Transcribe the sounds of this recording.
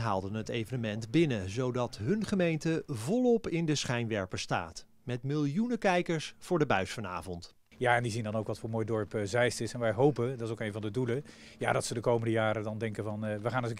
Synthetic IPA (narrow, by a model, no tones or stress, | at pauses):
ɦa̰ːlˠdənɦətejvənəmɛntbɪnəzowdɑtɦɵnχəmejntəvɔlˠɔpɪndəsχɛjnʋɛɹpəsta̰ːt | mɛtmɪlˠjunəkɛjkəɹsfʊːɹdəbœɥsfɑna̰ːvɔnt | jaːɛndizindɑnowkʋɑtfʊːɹmoːjdɔɹpzɛjstɪsɛnʋɛjɦowpəndɑtɪsowkejnvɑndədulə | ja̰ːdɑtsədəkowməndəjaːɾədɑndɛŋkənvɑnʋəχaːnə